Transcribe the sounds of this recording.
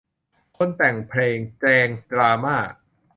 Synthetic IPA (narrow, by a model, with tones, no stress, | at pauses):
kʰo˧˥˨nt̪ɛ˨˩ŋpʰleː˧ŋt͡ɕɛː˧ŋdɾaː˧maː˥˩ʔ